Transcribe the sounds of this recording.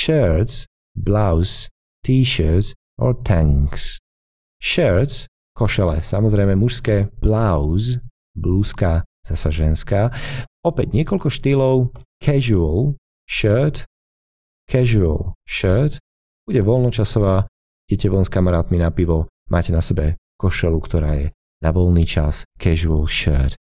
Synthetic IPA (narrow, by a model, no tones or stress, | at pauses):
ʃɛɾt͡s | blaʊz | t̪iːʃəɾs | ɔ̰t̪ʰaŋks | ʃɛɾt͡s | kɔʃɛlɛ̰samɔzɾɛjmɛmuʃskɛːb̥laʊz | bluːskaz̥asaʒɛnskaːɔpɛɟɲɪɛkɔlkɔʃt̪ilɔʊkʰɛʒuəl | ʃɛɾt̪ | kʰɛʒua̰lʃəɾt̪ | b̥uɟɛʋɔlnɔt͡ʃasɔʋaː | ɟ̥ɛcɛʋɔnskamaɾaːt̪minapiʋɔ | mʔaːcɛnasɛbɛkɔʃɛlukt̪ɔɾa̰ːjɛ | naʋɔlniːt͡ʃa̰skʰɛʒualʃɛ̰ɾt̪